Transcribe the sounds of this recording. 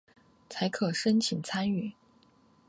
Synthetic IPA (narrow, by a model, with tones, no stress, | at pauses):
t͡sʰa˧˥ɪkʰɤ˨˩ʂə˥nt͡ɕʰi˨˩ŋt͡sʰa˥ny˥˩˦